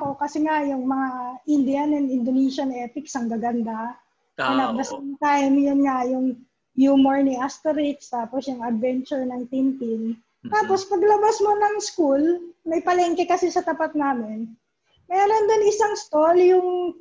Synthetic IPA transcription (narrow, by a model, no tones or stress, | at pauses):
ko̞kɐsɛŋajʊŋmɐŋaʔɪnd̪ɪanɛnɪnd̪oniʃɐnɛːp̪ɪksɐŋɡɐɡɐnd̪a | ɪnɐd̪ɐsɐt̪ajmjʊnŋajʊŋ | juːmoɹniʔast̪ɛɾɪkst̪aːposjʊŋɐd̪̚vɛnt͡ʃʊɹnɐŋt̪int̪ɪn | t̪aːpo̞spɐɡlɐbasmo̞nɐŋskulmɐjpɐlɛŋkɛkɐsisɐt̪ɐpat̪̚naːmɪn | mɛːɾo̞nd̪ɪnɪsaŋst̪oljʊŋ